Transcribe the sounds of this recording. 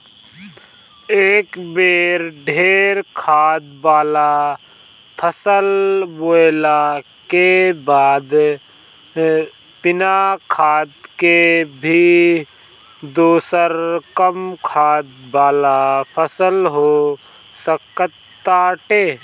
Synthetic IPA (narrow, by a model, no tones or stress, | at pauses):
eːkbeːɾɖʱeːɾkʰaːd̪baːla | pʰəsəlboːla | kebaːd̪ | pɪnakʰaːd̪kebʱi | d̪uːsəɾkəmkʰaːd̪baːlapʰəsəlɦo | səkət̪ːaːʈeː